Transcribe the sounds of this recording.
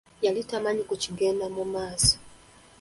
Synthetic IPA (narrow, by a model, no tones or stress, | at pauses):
jalitamaɲikɔt͡ʃiŋɡɛnamɔmasḁ